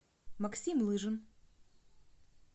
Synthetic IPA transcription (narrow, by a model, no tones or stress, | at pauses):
mɐksʲimlˠɨʐɨn